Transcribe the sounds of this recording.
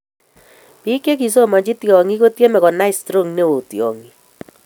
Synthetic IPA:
pi˦ke˦k̬i˨so˦˨ma˨d͡ʒɪ˦tjɔ˨ŋi˦ko˦tje˦mɛ˨kɔ˨na˦ɪ˨stɾo˦˨ŋne˦o˨tjɔ̰˨ŋi˨

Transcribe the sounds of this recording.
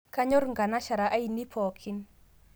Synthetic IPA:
ka˦ɲɔ˦ɾŋɡa˨na˦ʃa˨ɾa˨ʔa˦i˨ni˦pʰɔ˨kʰi˦n

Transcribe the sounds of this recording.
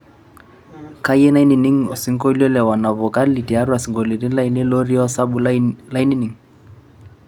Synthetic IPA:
ka˦jɛ˦na˦i˦ni˨ni˦ŋo˨si˦ŋ̩˦ko˦lɔ˦lɛ˨wa˨na˨βɔ˨ka˦lli˨ti˨a˦ɾu˦a˨si˨ŋɡo˨li˨ɾi˦la˦i˦nɛ˦lo˦ɾi˦ɔ˦sa˦bu˨la˦i˦ni˦ni˨ŋ̩

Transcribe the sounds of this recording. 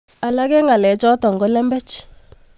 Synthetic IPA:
a˨la˦kɛ˦ŋa˨lɛ˨t͡ʃɔ˦tɔ˨ŋɡo˦lɛ˦mbɛ˦t͡ʃ

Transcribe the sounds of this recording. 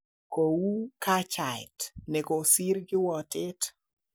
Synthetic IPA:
ko˨wu˦ka˦t͡ʃa˨ɪ̰tnɛ˨ko˨si˦ɾɡɪ˦wɔ˨tɪ˦t

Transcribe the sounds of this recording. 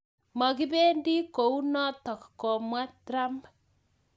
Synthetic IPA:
ma˨ki˦be˦ndi˦ko˨u˦nɔ˦tɔ˨kkɔ˨mwa˦tɾa˦mb

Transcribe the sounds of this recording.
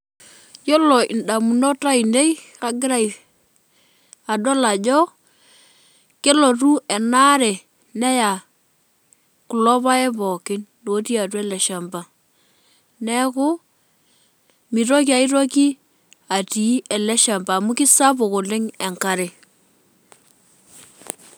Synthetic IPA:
jo˦lɔ˨ḭ˨nda˨mu˨nɔ˦ta˦i˨nde˦i˦ka˨ɡɪ˦ɾa˦i˨ | a˨da˦la˨d͡ʒɔ˦ | ke˦lo˨tu˦ɛ˨na˦ɾɛ˨ | nɛ˦ja˨ | ku˨lɔ˦ba˦ɛ˦bɔ˨kɪ˦ndo˨˦ti˦a˨t̬wɛ˦lɛ˨ʃa˨mba˨ | nɛ˦ko˦ | mi˨ɾo˦k̬i˦a˨i˦ɾo˦ki˦ | a˨ti˨˦ɛ˨lɛ˦ʃa˨mbaː˨mu˦kɪ˦sa˦bo˨ko˨lɪ˦ŋɛ˨ŋka˨ɾe˨

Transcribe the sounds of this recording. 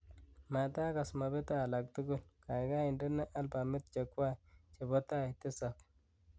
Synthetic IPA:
ma˨ta˦ka˨sma˨be˦ta˦˨la˨k̚ti˦ɡu˦lka˨jɡa˦i˨ndə˦na˦ʔa˦lba˨mɪ˦t̪̚t͡ʃe˨kwa˦t͡ʃe˨bo˦ta˦˨ti˦sa˨k

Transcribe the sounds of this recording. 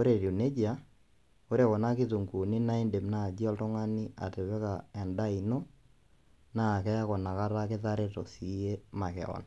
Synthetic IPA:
o˦ɾe˨ɾi˨ne˦d͡ʒia˦ | o˦ɾe˨kɔ˨na˦kɪ˦tu˨ŋɡu˨ni˦na˦i˦nde˨mna˦˨d͡ʒi˦ɔ˦ltɔ˦ŋa˦ni˦a̰˨tɛ˨βɛ˦ka˨ɛ˨nda˦i˨no˦ | na˦˨kɛ˦ja˦kɔ˨na˨ka˦ɾa˦kɪ˦ta˦ɾe˦tɔ̰˨si˨˦je˦ma˨kɛ̰˨ɔ̰˨n

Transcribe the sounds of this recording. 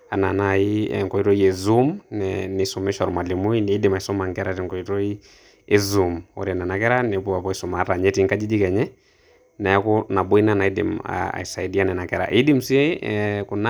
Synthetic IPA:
a˨na˨nai˦ɛ̰ŋkɔ˨i˦ɾɔ˦i˦ɛ˨zu˦mnɛnɛ˨sɔ˨mɛ˦ʃa˨ɾu˨ma˨li˨mu˦i˦nɛ˨i˦di˨ma˨i˨sɔ˦ma˨ŋɡɛ˦ɾa˨tɛ˨ŋkɔ˨i˦tɔ˦i˦ | e˦zu˨mɔ̰˨ɾi˦a˨nɛ˨na˨kɛ˦ɾa˦nɛ˨bu˦a˨pɔ˦isɔ˨ma˨ɾa˨ɲɛ˦ti˨ŋka˦d͡ʒi˦d͡ʒi˦kɛ˨ɲɛ˦ | na˨ja˦kɔ˦na˨bɔ˦i˦na˨na˨i˦dḭ˨ma̰a̰˨i˨sa˨i˨di˦a˦nɛ˨na˨kɛɾa̰˨ʔi˦di˦m̩si˦ɛ˦ɛku˨na˦

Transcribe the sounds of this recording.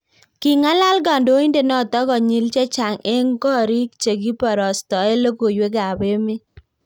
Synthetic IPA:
ki˨ŋa˦la˦lɡa˨ndo˦i˦nde˦˨nɔ˦˨tɔ˦ɡɔ˨ɲi˨lt͡ʃe˦t͡ʃa˨ŋe˦ŋɡɔ˦˨ɾi˦k̚t͡ʃe˨ɡi˦pɔ˨ɾɔ˨stɔ˨e˦lo˦ɡo˨jwe˦ɡa˨be˦mɪ˦

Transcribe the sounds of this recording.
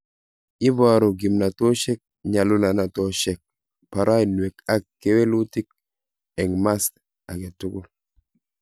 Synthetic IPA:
i˦ba˨ɾo˨ɡi˨mna˨to˦ʃɛ˦k̚ɲa˨lu˦na˨na˨tɔ˦ʃɛ˨k̚ | pa˨ɾa˦i˨n˨e˨ka˦kːe˦we˦lu˦ti˦k̚ | ɛ˨ŋma˦s | a˨ke˨tʊ˦kʊ˦l

